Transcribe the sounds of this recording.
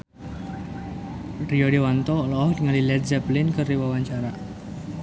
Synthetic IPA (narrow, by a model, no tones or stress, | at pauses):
ɾioɖewant̪ɔlɔhdŋalilɛt̪̚zaplɪnkəriwawaɲt͡ʃaɾa